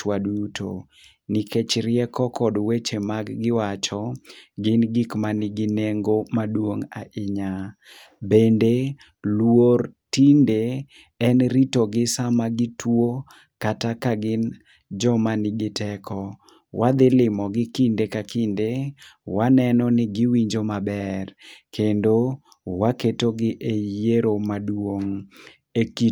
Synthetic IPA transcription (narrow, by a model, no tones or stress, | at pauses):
t͡ʃwaduuto̰ | niket͡ʃɾɪɛkɔkɔdwet͡ʃemaɡɡɪwat͡ʃɔɡɪnɡikmanɪɡɪneŋɡomadwoŋa̰ʔɪɲa | bende | lwortinde | ɛnɾitɔɡɪsamaɡɪtwo | katakaɡɪn | d͡ʒɔmanɪɡɪtɛkʰɔ | wʔad̪ɪlɪmɔɡɪkindekakɪndewanɛnɔnɪɡɪwiɲd͡ʒomabɛrkendo | waketoɡɪʔejjeɾomadwoŋ | eki